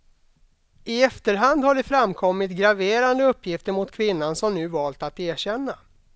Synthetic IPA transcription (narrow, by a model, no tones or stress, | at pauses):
ɪɛft̪əɾɦand̪haɖɛfɾamkʰɔmːɪt̪ɡɾaveːɾand̪əɵpːjɪft̪əɾmʊt̪kʰvɪnːansɔmnʉ̟ːvɑːlt̪at̪eːɕɛnːa